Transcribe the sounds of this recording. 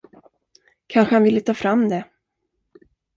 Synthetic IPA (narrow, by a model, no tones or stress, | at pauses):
kʰanɧəhanvɪlːət̪ʰɑːfɾamːd̪ɛ